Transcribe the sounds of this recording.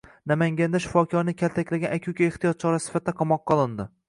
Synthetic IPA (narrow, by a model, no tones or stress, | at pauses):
namaŋɡʲand̪aʃɪ̥fɒkʲʰɒɾnɪkʲʰalt̪ʰakʲlaɡʲanakʲʰukʲaeht̪ijɒt̪̚t͡ʃʰɒɾasɪ̥fat̪ɪd̪aqʰɒmɒqʰːɒlˠɪnd̪ɪ